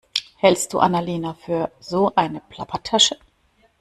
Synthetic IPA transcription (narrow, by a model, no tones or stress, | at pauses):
hɛlst̚d̥ṵːʔa̰naleːnafyːɐzoːʔaɪnəpʰl̥apʰɐtʰːaʃə